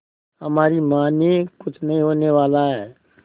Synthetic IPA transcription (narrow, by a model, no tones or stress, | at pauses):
ɦəmaːɾimaːnekʊt͡ʃʰnəɦĩɦoːneʋaːlaɦɛː